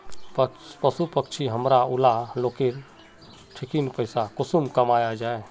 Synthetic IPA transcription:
pəpəsupəkt͡ʃʰiɦəmɾaulaloːkeɾ | ʈʰikinpəɪsakʊsumkəmajad͡ʒaːe

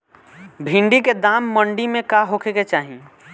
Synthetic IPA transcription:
bʱĩɳɖiked̪aːmːəɳɖimẽkaɦokʰeket͡ʃaːɦi

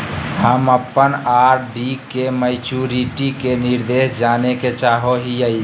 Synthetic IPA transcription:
həməpːənaːɾɖikeməɪt͡ʃuɾiʈikenɪɾd̪eːʃd͡ʒaːneket͡ʃaːɦoɦijəi

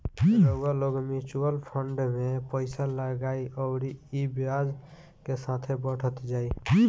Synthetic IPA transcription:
ləɡaloɡmit͡ʃuəlpʰəɳɖmepəɪsaləɡaiəʊɾiibjad͡ʒ | kesat̪ʰebəʈʰət̪d͡ʒai

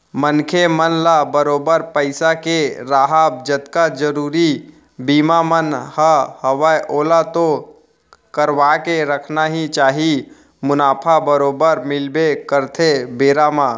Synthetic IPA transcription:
mənkʰemənlabəɾoːbəɾpəɪsakeɾaːɦaːb̚d͡ʒət̪kad͡ʒəɾuːɾi | biːmamənhəhəʋəjʔoːlat̪o | kəɾʋakeɾəkʰnaɦit͡ʃaːɦi | mʊnaːpʰabəɾoːbəɾmɪlbekəɾt̪ʰebeːɾamãː

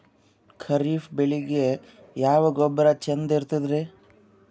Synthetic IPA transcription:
kʰɐɾiːfbeɭiɡe | jaːʋɐɡɔbːɐɾɐt͡ʃend̪iɾt̪id̪ɾe

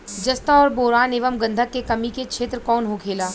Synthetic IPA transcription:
d͡ʒɐst̪aɔːɾboːɾaːneːʋəmɡɐ̃nd̪ʱət̪̚ekɐmikekʃʰeːt̪ɾəkɔːnɦokʰeːlaː

